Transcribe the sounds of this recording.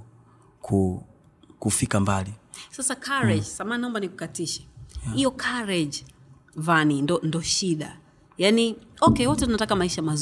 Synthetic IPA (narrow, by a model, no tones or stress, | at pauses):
kʰu | kufikambalisasakʰaɾɛd͡ʒsamaːnaɔmbaniku̥katiʃɛ̥ijɔkʰaɾɛd͡ʒ | vanindɔndɔʃiɗa | janiɔkɛwɔtɛtunatakamaiʃamaz